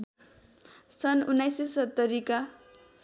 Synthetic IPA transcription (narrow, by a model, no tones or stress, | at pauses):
sʌnunːajsesʌt̪ːʌɾika